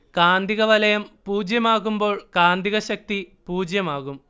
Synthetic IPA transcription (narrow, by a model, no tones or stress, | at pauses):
kaːnd̪ʱiɣɐʋɐlɐjɐmpuːd͡ʑjɐmaːɣumbo̞ːɭkaːnd̪ʱiɣɐɕɐk̚t̪ipuːd͡ʑjɐmaːɣum